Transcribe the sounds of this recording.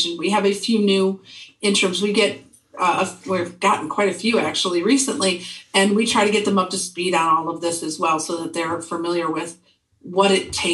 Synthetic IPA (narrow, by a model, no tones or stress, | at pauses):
ɨ̃nwiɨvɨfjʉnʉɪ̃nt͡ʃɹ̥ɨ̃mzwiɡɛɾ | əwivɡ̥ɑʔn̩kʰw̥aɪɾɨfjʉæk̚t͡ʃul̩ˠiɹisɨ̃nʔliɨ̃nwitʰɹ̥aɪɾɨɡɛt̪̚ðɨ̃mʌp̚tɨspiɾ̃nɔlˠʌvðɪsɨzwɛlˠsoʊðɨt̪̚ðə˞fə˞mɪlˠjə˞wɪð̥ | wʌɾɨtʰeɪ